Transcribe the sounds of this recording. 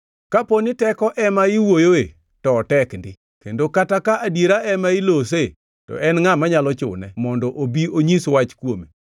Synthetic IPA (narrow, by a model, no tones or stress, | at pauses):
kaponɪtɛkɔʔɛmaiwojoe | tɔːtɛkndɪ | kendokatakaʔadjeɾaɛmaɪlose | tɔ̰ʔɛnŋamaɲalɔt͡ʃʊ̰nɛmɔndɔʔobioɲiswat͡ʃkwome